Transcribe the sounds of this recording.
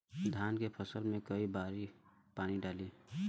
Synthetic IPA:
d̪ʱaːnkepʰəsəlmẽkəibaːɾi | paːniɖaːliː

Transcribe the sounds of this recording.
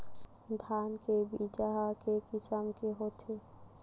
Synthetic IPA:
d̪ʱaːnkebid͡ʒaɦakekɪsəmkeɦoːt̪ʰe

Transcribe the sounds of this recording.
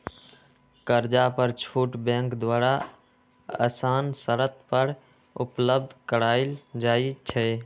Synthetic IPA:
kəɾd͡ʒapəɾt͡ʃʰuːʈbẽːŋkd̪waːɾa | ə̰saːnsəɾət̪pəɾ | ʊ̰pləb̚d̪ʱkəɽaːɪld͡ʒaːit͡ʃʰɛ

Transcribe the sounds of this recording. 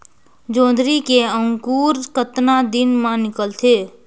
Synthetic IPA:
d͡ʒõːd̪ɾikeəŋkuːɾkət̪nad̪inmãnɪkəlt̪ʰeː

